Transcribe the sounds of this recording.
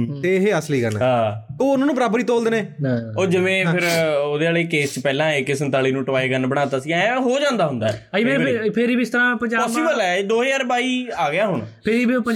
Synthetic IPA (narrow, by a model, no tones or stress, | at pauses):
t̪eːɦeːəsliːɡənɦãːoːʊnãːnũːpəɾaːbɾiːt̪oːld̪eneːoːd͡ʒɪʋẽːɪɾoːd̪eːaːleːkeːst͡ʃpɛːlãːeːkːɪsənt̪aːliːnũːʈəʋaːeːɡənbəɽ̃aːt̪aːsiãɦoːd͡ʒãːnd̪aːɦʊnd̪aːẽpʰɪɾiːbiɪst̪əɾãːpəɲd͡ʒaːəsiːbəlɛːd̪oːɦjaːɾbaːiːaːɡɪjaːɦʊɳpʰɪɾiːbipə